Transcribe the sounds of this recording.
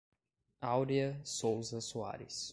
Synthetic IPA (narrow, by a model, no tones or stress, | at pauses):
awɾiɐsowzɐsua̰ɾɪ̰s